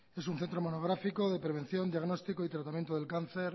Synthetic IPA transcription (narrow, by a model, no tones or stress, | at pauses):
e̞s̬unθe̞nt̪ɾo̞mo̞noɣ̞ɾafiko̞ðe̞pɾe̞β̞ẽ̞n̟θjo̞nd̪iaɣno̞st̪ikoit̪ɾat̪amje̞nt̪oðelkanθe̞ɾ